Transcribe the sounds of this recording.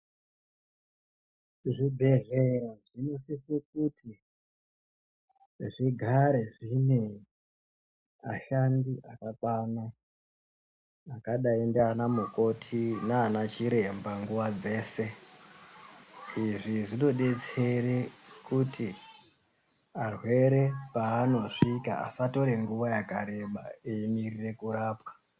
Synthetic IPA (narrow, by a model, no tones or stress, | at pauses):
ʐibʱe̞ʐeraʐinosisek̚uti | ʐiɡʱaɾe̞ʐine | a̰ʃandiʔakakwana | kaɗaendeanamuko̞tʰinaːnat͡ʃiɾe̞mbaŋɡuʋad͡ze̞ːse̞ | iʐiʐino̞ɗe̞t͡se̞ɾekuti | arwe̞ɾe̞paːno̞ʂika̰a̰sato̞ɾe̞ŋɡuʋajakaɾe̞ɓa̰eimirire̞kuɾaːpwḁ